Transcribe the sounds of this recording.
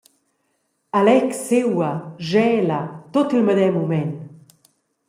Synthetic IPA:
alɛksewaʒɛlat̪ot̪ilməd̪ɛmumɛn

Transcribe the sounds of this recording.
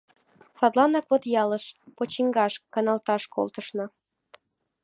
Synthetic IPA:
sɑt̪lˠɑnɑkβot̪jɑlə̆ʃpot͡ɕiŋɡɑʃkɑnɑlt̪ɑʃko̰lˠt̪ɤ̆ʃnɤ̆

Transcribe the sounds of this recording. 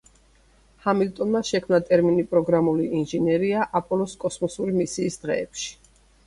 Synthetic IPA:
hamilt̪ʼɔnmaʃɛkʰmnat̪ʼɛɾminipʼɾɔɡɾamuliinʒɛnɛɾiaʔapʼɔlˠɔskʼɔsmɔsuɾimisiːsd̪̥ʁɛːpʃi̥

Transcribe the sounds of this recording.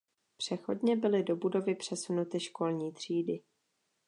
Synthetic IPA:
pr̝̥ɛxo̞̰dɲɛbɪlɪdo̞budo̞vɪpr̝̥ɛsunut̪ɪʃko̞lɲiːt̪r̝̥iːdɪ

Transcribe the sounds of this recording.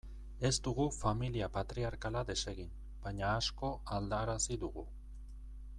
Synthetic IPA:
e̞zt̪uɣufamiliapat̪ɾiaɾkalad̪e̞se̞ɣin | bajɲaːsko̞ald̪aɾasid̪uɣ̞u

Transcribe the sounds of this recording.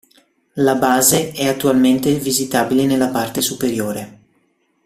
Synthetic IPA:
labaːzeɛat̪ːualment̪evizit̪aːbilenelːapart̪esupeɾjoːɾe

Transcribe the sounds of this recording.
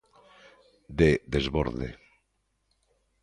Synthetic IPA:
d̪eðezβo̰ɾðḛ

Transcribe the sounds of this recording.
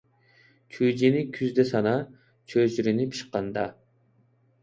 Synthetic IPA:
t͡ʃʰud͡ʒenikʲʰyzd̪esɑnɑ | t͡ʃʰød͡ʒyɾynipʰi̥ʃqːɑnd̪ɑ

